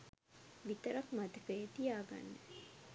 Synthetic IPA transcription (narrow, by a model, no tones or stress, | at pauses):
ʋit̪əɾakmat̪əkəjt̪ijaːɡa̰nːə